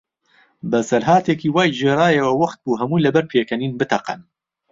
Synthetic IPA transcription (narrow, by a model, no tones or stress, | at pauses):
bɐsɐɾɦaːt̪eːkiːwaːjʒeːɾaːjɐwɐwɐχt̪̚buːɦɐmuːlɐbɐɾpʰeːkʰɐniːnbɨt̪ʰɐqɐ̰n